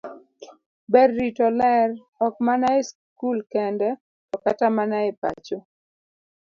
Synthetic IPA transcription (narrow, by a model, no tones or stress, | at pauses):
bɛrːitɔlɛr | ɔk̚manaes | kulkɛndɛ | tɔkatamanaepa̰t͡ʃo